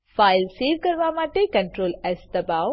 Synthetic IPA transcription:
faːɪlseːʋkɐɾʋamaːʈ̪ekɐ̃ɳʈɾoːlɛsd̪ɐbaːw

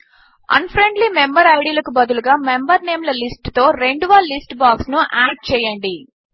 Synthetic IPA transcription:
ɐ̰npʰɾeɳɖlimembɐɾɐjɽiːlɐkubɐd̪uluɡaːmembɐɾne̞ːmlɐlisʈt̪o̞ːɾe̞ɳɖʋaːllisʈbaːksnuʔaːɖ̚t͡ʃɛːjɐɳɖi

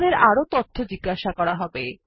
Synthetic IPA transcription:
neɾaɾot̪ot̪ʰːod͡ʑiɡːaʃakɔɾaɦɔbe

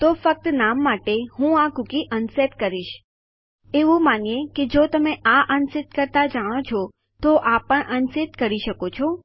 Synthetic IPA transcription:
t̪ofək̚t̪namːaʈeɦũakukiʔənset̪kəɾiʃ | eʋũmanjeked͡ʒot̪əmeʔaʔənsɪt̪kəɾt̪ad͡ʒaɽ̃ot͡ʃʰɔ | t̪oʔapəɳʔənsɪt̪kəɾiʃəkot͡ʃʰo

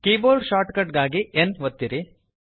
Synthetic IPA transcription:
kiːboːlɖʃaːʈkɐʈ̚ɡaːɡiʔenʋɐt̪ːiɾi

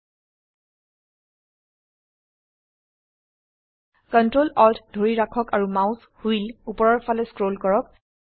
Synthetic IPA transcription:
kɔntɹolɔltdʱoɹiɹakʰɔkaɹumãʊ̃s | huilupɔɹɔɹpʰalɛskɹolkɔɹɔk̚

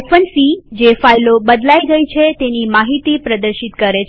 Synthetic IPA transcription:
efənsid͡ʒefailobəd̪laiɡəit͡ʃʰet̪enimaɦit̪ipɾəd̪əɾʃit̪kəɾet͡ʃʰ

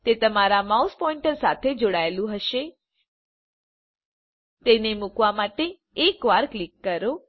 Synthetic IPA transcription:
t̪et̪əmaɾamauspɔiɳʈəɾsat̪ʰed͡ʒoɽaelũɦəʃe | t̪enemukʋamaʈeː | kʋaɾklikːəɾo

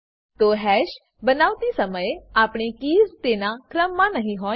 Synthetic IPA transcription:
t̪oːɦɛːʃ | bənaːʊt̪isəməeaːpɳ̃iːkiːzt̪eːnãːkɾəmːãːnəɦĩɦoː

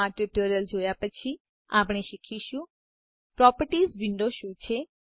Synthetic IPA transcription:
aʈəʈoɾjəld͡ʒojapət͡ʃʰi | apɽ̃eʃikʰiʃũ | pɾɔpəɾʈizʋiɳɖoʃũt͡ʃʰe

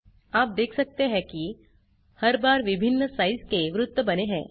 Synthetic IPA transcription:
aːp̚d̪eːkʰsɐk̚t̪eɦɛ̃ki | hɐɾbaːɾʋɪbʱɪnːəsaːɪskeʋɾʊt̪ːəbɐneɦɛ̰̃ː

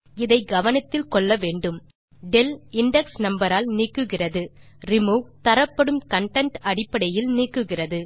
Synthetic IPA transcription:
ɪðɐɪɡɐʋɐnɐt̪ːɪlkɔɭːɐʋeːɳɖɯm | ɖɛlɪɳɖɛksnɐmbɐɾaːlniːkːɯɣɪrɐðɯ | rɪmoːt̪ɐɾɐpːɐɽɯmkɐɳʈɐɳʈɐɽɪpːɐɽɐjɪlniːkːɯɣɪrɐðɯ

